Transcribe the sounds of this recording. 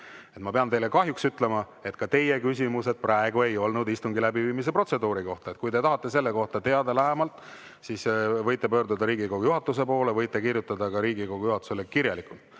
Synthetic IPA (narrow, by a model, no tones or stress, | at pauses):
e̞t̪mɑpeɑnt̪e̞jle̞kɑɦjuksyt̪ˑle̞mɑ | e̞t̪kɑt̪e̞je̞kysʲimuse̞d̪̥̚prɑe̞ɡue̞jo̞lnud̪ist̪uŋɡilæbiviːmis̬e̞pro̞t̪se̞d̪uːɾiko̞ht̪ɑet̪̚kujt̪e̞t̪ɑɦɑt̪ˑːe̞se̞lːeko̞ht̪ɑt̪e̞ɑd̪ɑlæɦemɑlt̪ːˑ | sisvɤjt̪ːˑepøːɾd̪ud̪ɑɾiːɡikoɡujuɦɑt̪ːˑus̬e̞po̞ːle̞vɤjt̪ˑːekirjut̪ːˑɑd̪ɑkɑɾiːɡikoɡ̥ujuɦɑt̪ːˑu̥se̞lekiɾjɑlikˑult̪̚